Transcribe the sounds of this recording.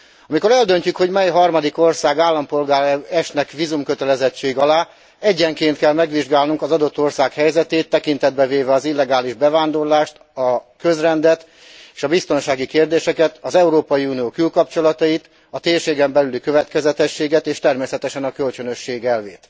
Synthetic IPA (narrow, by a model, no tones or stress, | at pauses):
ɒmiko̞ɾɛld̪ø̞ɲcykho̞ɟmɛjɦɒrmɒd̪iko̞rsaːɡaːlːɒmpo̞lɡaːɾɛɛʃtnɛkʋiːzumkø̞t̪ɛlɛzɛt͡ʃːeːɡɒlaː | ɛɟːɛŋkeːnt̪kɛlmɛɡʋiʒɡaːlnuŋkɒzɒd̪o̞t̪ːo̞rsaːkhɛjzɛt̪eːt̪ːɛkint̪ɛd̪̚bɛveːvɛɒzilːɛɡaːliʒbɛvaːnd̪o̞rlaːʃt̪ | ɒkø̞zrɛnd̪ɛt̪ | eːʃɒbist̪o̞nʃaːɡikeːrd̪eːʃɛkɛt̪ɒzɛuɾoːpɒjiunijoːkylkɒpt͡ʃo̞lɒt̪ɒjit̪ | ɒt̪eːrʃeːɡɛmbɛlylikø̞vɛt̪kɛzɛt̪ɛʃːeːɡɛt̪eːʃt̪ɛrmeːsɛt̪ɛʃɛnɒkø̞lt͡ʃønø̞ʃːeːɡɛlveːt̪